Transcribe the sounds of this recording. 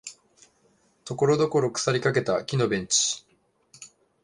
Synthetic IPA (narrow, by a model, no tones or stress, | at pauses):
t̪o̞ko̞ɾo̞d̪o̞ko̞ɾo̞kɯ̟̥saɾʲikake̞t̪akʲino̞bẽ̞ɲ̟t͡ɕi̥